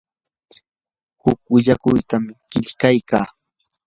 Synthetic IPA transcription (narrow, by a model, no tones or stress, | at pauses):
hʊk̚wɪʎakʊjt̪amɪɢ̥ɪʎkajka̰ː